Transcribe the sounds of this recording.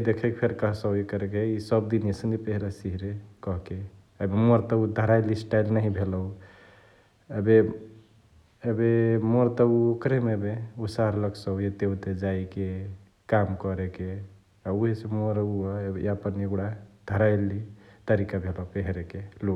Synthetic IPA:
d̪ekʰekepʰeɾkəɦsəikəɾekeisəbd̪inesənipeɦɾasiɦiɾekɔɦke | ebemoɾt̪ɔud̪ʱəɾajlisʈajlnəɦĩbʱelɔʊ | ebe | ebemoɾt̪ɔuokɾemebeusaɾləksəɦjet̪eɦut̪ed͡ʒaike | kamkɔɾeke | auɦesemoɾuɔebapəneɡɽad̪ʱəɾajlit̪əɾikabʱelɔɦpeɦɾekelo

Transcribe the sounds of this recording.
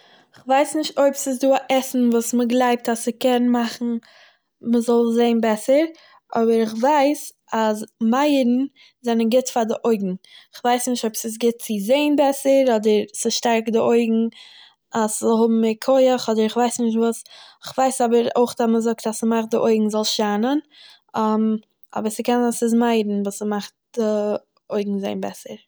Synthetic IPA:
ɪχvaɪsnɪʃtoɪpsɪs̬duːaʔɛsn̩vuːsməɡlˠaɪp̚tasɪkɛnmaχn̩ | məzɔlˠzeɪnbɛsəɾ | ɔbəɾɪχvaɪs | asmaɪəɾn̩ | zɛnənɡɪtfadɪʔoɪɡŋ̩ɪχvaɪsnɪʃtoɪpsɪs̬ɡɪt̚t͡sɪzeɪnbɛsəɾɔdəɾsɪʃtaɾkdɪoɪɡŋ̩ | aszɔlˠɦʊbm̩ɪkʰoɪəχɔdəɾɪχvaɪsnɪʃ̬tvuːsɪχvaɪsɔbəɾoɪχtaməzʊktasəmaχt̚dɪʔoɪɡŋ̩zɔlˠʃanən | m | ɔ̰bəɾsəkɛnasɪs̬maɪɾn̩vuːsəmaχt̚d̥ɪ | oɪɡŋ̩zeɪnbɛ̰səɾ

